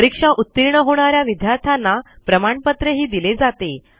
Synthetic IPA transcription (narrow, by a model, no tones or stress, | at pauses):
əɾikʂaʔut̪ːiɾɳəɦoɽ̃aɾjaʋid̪ʱjaɾt̪ʰanːapɾəmaɳpət̪ɾəɦiːd̪iled͡zat̪e